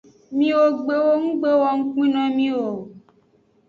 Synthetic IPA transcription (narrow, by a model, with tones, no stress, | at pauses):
mĩ˦wo˨ɡ͡be˨wo˦ŋũ˦ɡ͡be˦wɔ˨ŋ̩˦k͡pĩ˦nɔ̃˦mĩ˦wo˨